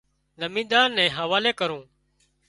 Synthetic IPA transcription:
ləmĩːd̪aːnːɛ̃ːɦəʋaːleːkəɾũː

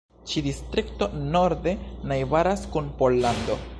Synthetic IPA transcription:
t͡ʃidistɾikto̞no̞ɾde̞najbaɾaskunpo̞lːando̞̰

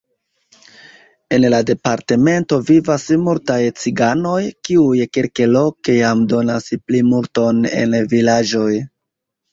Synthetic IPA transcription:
e̞nlade̞paɾte̞me̞nto̞vivasmultajt͡siɡano̞jkiujkelkelo̞kejamdo̞nasplimulto̞ne̞̰nvilad͡ʒo̞j

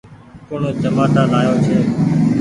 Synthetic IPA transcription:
koːɳoːd͡ʒəmaːt̪aːlaːjoːt͡ʃʰeː

